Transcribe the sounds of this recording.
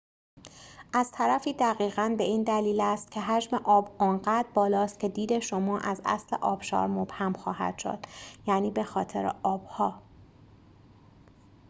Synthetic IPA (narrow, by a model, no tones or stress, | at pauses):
ʔæz̥t̪ʰæɾæfiːd̪æɣiːɣænbe̞iːnd̪æliːlæst̪̚cʰe̞ɦæd͡ʒmeʔɒːbɒːnɢæd̪bɒːlɒːst̪̚cʰe̞d̪iːd̪e̞ʃomɒːʔæzæ̰slḛʔɒːb̥ʃɒ̰ːɾmob̥hæmxɒːhæ̰d̪̥ʃo̰d̪̥jæːniːbe̞xɒːt̪ʰe̞̰ɾḛʔɒːb̥hɒː